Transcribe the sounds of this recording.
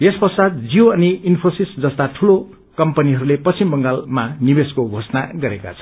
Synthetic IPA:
espʌsad̪̚d͡zioʌniinpʰorsisd͡zʌst̪aʈʰulo | kʌmpʌniɦʌɾulepʌsimbʌŋɡalmanibeskoɡʱosnaɡʌɾeka̰t͡sʰʌ̥

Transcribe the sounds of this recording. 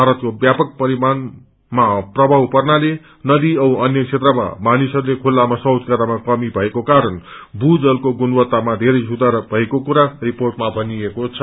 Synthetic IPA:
bʱaɾʌt̪kobjapʌk̚pʌɾiman | maprʌbʱawpʌrnale | nʌd̪iʌʌnjʌkʰet̪rʌma̰manisʌrlekʰulːamasʌwd̪ʱkaɾamakʌmibʱʌekokaɾʌnbʱud͡zʌlkoɡunwʌt̪ːamad̪ʱeɾʌjsud̪aɾbʱʌekokuɾariporʈmabʱʌniekot͡sʰʌ

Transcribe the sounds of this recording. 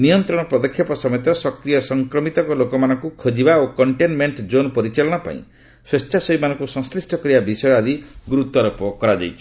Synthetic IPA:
nijɔnt̪ɾɔɽ̃ɔpɾɔd̪ɔkʰːjɔpɔsɔmet̪ɔsɔkɾijɔsɔŋkɾɔmit̪ɔkɔlokɔmanɔŋkukʰod͡ʒibaokɔɳʈenmeɳʈd͡ʒonpɔɾit͡ʃɔlɔɽ̃ɔpa̰ḭ̃ | swest͡ʃʰasɔimanɔ̃ŋkusɔ̃ŋslisʈʰɔkɔɾibabisɔjɔad̪iɡuɾut̪ɔɾupɔkɔɾad͡ʒa̰jt͡ʃʰi̥

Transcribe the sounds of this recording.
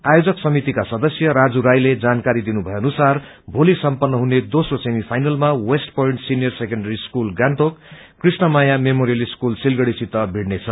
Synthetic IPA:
ajod͡zʌksʌmit̪ikasʌd̪ʌsjʌɾad͡zuɾajled͡zankaɾid̪inubʱʌjeʌnusarbʱolisʌmpʌnːʌɦuned̪osrosemipʰajnʌlmawesʈpoiɳʈsinijʌrsekʌɳɖʌɾiskulɡaɳʈokː | risnʌmajamemoɾijʌliskulsilɡʌɽisit̪ʌbʱiɽnet͡sʰʌ

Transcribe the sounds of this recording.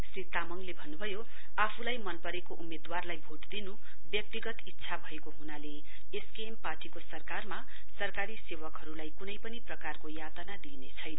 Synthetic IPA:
srit̪amʌŋlebʱʌnːubʱʌjo | apʰulajmʌnpʌɾekoʔumed̪warlajbʱoʈd̪inu | bjʌk̚t̪iɡʌt̪it̪ːsʰabʱʌekoɦunale | eskempaʈikosʌrkarma | sʌrkaɾisewʌkɦʌɾulajkunʌjpʌniprʌkarkojat̪anad̪inet͡sʰʌjnʌ

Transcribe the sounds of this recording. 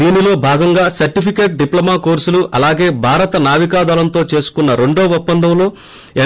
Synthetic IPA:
iːnilo̞ːbʱaːɡɐŋɡaːsɐɾʈipʰikeːʈ̚ɖiplɐmaːkoːɾsuluʔɐlaːɡe̞ːbʱaːɾɐt̪ɐnaːʋikaːd̪aːlɐnt̪o̞ːt͡ʃe̞ːsu̥kunːɐɾe̞ɳɖoːʋɐpːɐnd̪ɐmlo̞ː | ɛ

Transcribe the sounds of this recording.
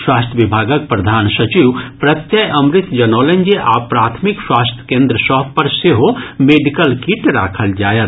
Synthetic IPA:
swaːst̪ʰjəʋibʱaːɡək̚pɾɐd̪ʱaːnsɐt͡ʃiwpɾɐt̪jəjʔɐmɾɪt̪d͡ʒɐnoːlənd͡ʒeʔa̰ːpɾaːt̪ʰmikswaːst̪ʰjə̥kẽːnd̪ɾəsɔːɦpɐɾseɦomeːɖikəlkiʈɾa̰ːkʰəld͡ʒaːjət̪

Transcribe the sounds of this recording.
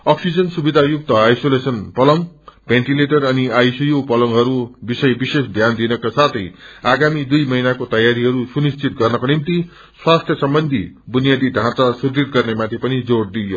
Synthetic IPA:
ʌksid͡zʌnsubid̪ʱajuk̚t̪ʌajsolesʌnpʌlʌŋbʱenʈileʈʌrʌniajsujupʌlʌŋɦʌɾubisʌjbisesd̪ʱjand̪inʌkasat̪ʰʌjaɡamid̪ujmʌɦinakot̪ʌjaɾiɦʌɾusunist͡sit̪̚ɡʌrnʌkonimt̪i | swast̪ʰjʌsʌmbʌnd̪ʱibunijad̪iɖʱãt͡sasud̪ɾit̪̚ɡʌrnemat̪ʰipʌnid͡zoɽd̪ijo

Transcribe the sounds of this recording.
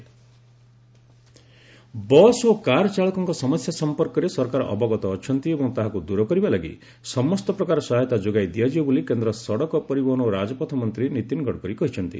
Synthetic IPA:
bɔsokaɾɔt͡ʃaɭɔkɔŋkɔsɔmɔsjasɔmpɔɾkɔɾesɔɾkaɾɔ̰ʔɔbɔɡɔt̪ɔːt͡ʃʰɔnt̪iebɔŋt̪aɦakud̪uɾɔkɔɾibalaɡḭ | sɔmɔst̪ɔpɾɔkaɾɔsɔɦajt̪ad͡ʒoɡajd̪iad͡ʒiɔbulikend̪ɾɔsɔɽɔkɔpɔɾibɔɦɔñoɾad͡ʒɔpɔt̪ʰɔmɔnt̪ɾinit̪inɡɔɽkɔɾikɔɦit͡ʃʰɔnt̪ḭ

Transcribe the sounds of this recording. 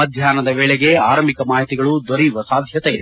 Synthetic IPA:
ɐd̪ʱjaːnɐd̪ɐʋeːɭɛɡe̞aːɾɐmikɐmaːɦit̪iɡɐɭud̪oɾijʋɐsaːd̪ʱjɐt̪e

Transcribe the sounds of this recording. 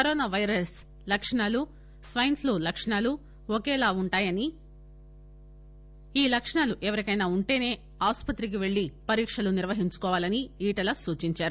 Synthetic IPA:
kɐɾɔːnaːʋɐjɾɐs | lɐkʂɐɳaːlu | sʋɐjɐnt̪luːlɐkʂɐɳaːlu | okɛːlaːuɳʈaːjɐni | iːlɐkʂɐɳaːluʔɛʋɐɾikɐjnaːuɳʈe̞ːne̞ː | aːspɐt̪ɾik̬iʋe̞ɭːipɐɾiːkʂɐluniɾʋɐɦiɲt͡ʃu̥kɔːʋaːlɐniiːʈɐlɐsuːt͡ʃiɲt͡ʃaːɾu

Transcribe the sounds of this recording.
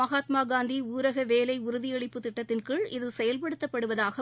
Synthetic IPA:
ɐɣaːt̪maːɡaːnd̪iuːɾɐɣɐʋeːlɐɪʊɾʊðɪjɛɭɪpːɯt̪ɪʈːɐt̪ːɪnkɯɭɪðɯsɛjɐlpɐɽɯt̪ːɐpːɐɽɯʋɐðaːɣɐ

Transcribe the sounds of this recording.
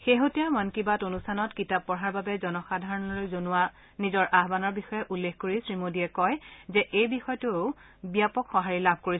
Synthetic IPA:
xeɦotijamankibatonustʰanɔtkitab̚ːɔɹɦaɹbabɛzɔnɔxadʱaɹɔnɔlojzonʊwa | nizɔɹʔaɦbanɔɹbixɔjɛʔulːexkoɹisɹimodiɛkɔjzɛʔejbixɔjtʊ | bijapɔkxɔɦaɹilabʱkoɹi

